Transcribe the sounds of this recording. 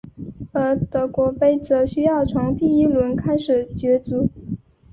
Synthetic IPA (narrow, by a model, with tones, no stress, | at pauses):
ə˞˧˥t̪ɤ˧˥kwɔ˧˥pe˥˩ɪt͡sɤ˧˥ɕy˥jɑ˥˩ʊt͡sʰʊ˧˥ŋt̪i˥˩i˥lwə˧˥nkʰa˥ɪʂɻ̩˨˩t͡ɕɥɛ˧˥t͡su˧˥